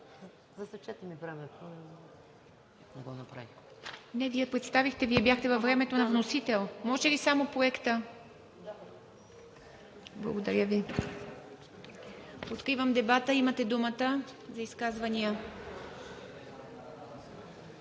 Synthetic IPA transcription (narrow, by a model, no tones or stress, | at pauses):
zɐsɛt͡ʃɛt̪ɛmivɾavɛt̪ | nɛɡɔnɐpɾa̰vinɛviɛpɾɛt̪st̪avixt̪ɛviɛbjaxt̪ɛvɐvɾɛmɛt̪onɐvnosit̪ɛlˠmɔʒɛlisamopɾoɛkt̪ə | blˠɐ̰ɡod̪ɐɾʲjəvi | ot̪kɾivəmd̪ɛbat̪əimət̪ɛd̪umət̪əzɐiskazvɐnijə